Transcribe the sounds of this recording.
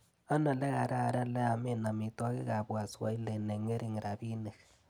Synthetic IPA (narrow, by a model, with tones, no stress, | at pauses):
a˦na˨le˦ka˨ɾa˦a˨ɾa˦le˦a˨me˦na˨mi˨tɔ˦ki˦ka˨bwa˨swa̰˨i˦le˨ne˨ŋe˦ɾi˦˨ŋi˨ɾa˨bi˦ne˨k